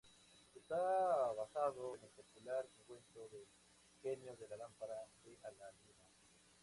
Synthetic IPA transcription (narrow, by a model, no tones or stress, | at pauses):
est̪aβaxaðoenelpokulaɾeŋkwent̪oðe | kemjoðelalampaɾaseʔalanina